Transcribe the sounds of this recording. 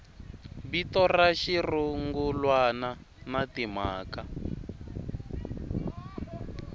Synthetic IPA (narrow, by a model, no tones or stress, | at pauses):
bitɔraʃiruŋɡulwana | natimaːka